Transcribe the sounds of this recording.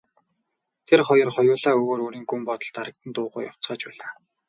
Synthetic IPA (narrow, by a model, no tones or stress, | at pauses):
t̪ʰerχɔjɞ̆rχɔjʊːɮaːɵɣoːɾoːɾiːŋɡumpɔt̪ɞ̆ɮt̪aɾə̆k̚t̪ə̆nt̪ʊːʁʊ̰ːja̰w̥t͡sɢaːt͡ɕpæːɮaː